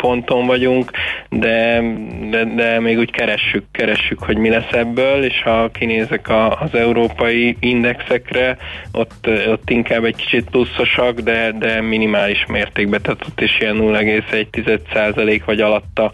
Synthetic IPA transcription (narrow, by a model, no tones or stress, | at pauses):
po̞nt̪o̞ɱvɒɟuŋkd̪ɛ | d̪ɛd̪ɛmeːɡuːckɛɾɛʃːykːɛɾɛʃːykho̞ɟmilɛsɛbːøːleːʃhɒkineːzɛkɒːzɛuɾoːpɒjiind̪ɛksɛkrɛʔo̞̰t̪ːot̪ːiŋkaːbːɛcki̥t͡ʃit̪̚plusːo̞ʃɒɡd̪ɛd̪ɛminimaːliʃmeːrt̪eːɡ̚bɛt̪ɛt̪ʰːot̪ːeːʃijɛnːulːɛɡeːsɛɟ̚t̪izɛt̪saːzɒleːkʋɒɟɒlɒt̪ːɒ